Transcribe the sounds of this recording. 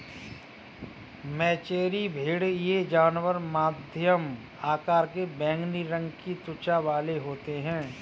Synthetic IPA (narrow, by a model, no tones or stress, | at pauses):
mɛːt͡ʃeːɾibʱeːɽjed͡ʒaːnwəɾmaːd̪ʱjəm | aːkaːɾkebɛ̃ːŋɡniɾə̃ŋɡkit̪ʊt͡ʃaʋaːleɦoːt̪eɦɛ̃ː